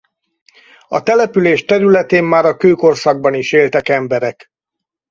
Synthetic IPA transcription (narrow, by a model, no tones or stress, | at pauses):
ɒ̰t̪ɛlɛpyleːʃt̪ɛɾylɛt̪eːmːaːɾɒkøːko̞rsɒɡ̚bɒniʃeːlt̪ɛkɛmbɛɾɛk